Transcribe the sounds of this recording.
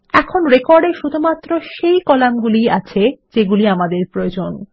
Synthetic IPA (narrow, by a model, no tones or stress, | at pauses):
ɛkʰonɾekɔɾɖeɾʃud̪ʱumat̪ːɾoʃejkɔlamɡuliat͡ɕʰed͡ʑeɡuliamad̪eɾpɾood͡ʑon